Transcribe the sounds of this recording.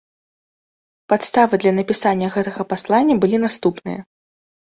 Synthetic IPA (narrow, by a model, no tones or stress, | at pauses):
pat̪st̪avɨd̪lʲɐnɐpʲisanʲːɐɣɛt̪ɐɣɐpaslˠanʲːɐbɨlʲinast̪upnɨ̰jɐ̰